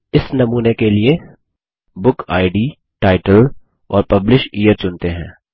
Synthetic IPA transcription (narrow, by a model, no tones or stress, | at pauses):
ɪsnɐmuːnekelie | bʊkʰaːɪɖiː | ʈaːɪʈəl | ɔːɾpɐblɪʃiːjəɾt͡ʃʊnt̪eɦɛ̰̃ː